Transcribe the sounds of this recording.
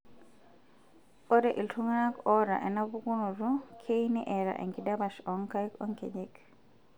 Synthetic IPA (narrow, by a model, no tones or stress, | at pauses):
ɔɾɛʔiltʰuŋanakɔɾa̰ʔɛnabuɡunuɾɔkʰejniʔɛɾa̰ʔɛ̰ŋkidabaʃɔŋkajkɔŋkɛ̰ɟɛk